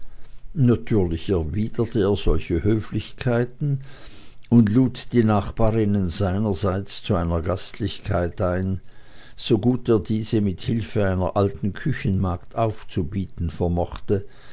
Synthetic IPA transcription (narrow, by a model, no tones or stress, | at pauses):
natʰyːɐlɪçɛɐviːdɐtʰəeːɐzɔlçəhøːflɪçkʰaɪtn̩ | ʊndluːtd̥iːnaːχb̥aːʁɪnənzaɪnɐzaɪt͡st͡suaɪnɐɡastlɪçkʰaɪtaɪnz̥oɡuːteːɐdiːz̥əmɪthɪlfəaɪnɐ̰ʔaltn̩kʰʏçən̩mɑɐktʔaʊft͡subiːtn̩fɛɐmɔχtə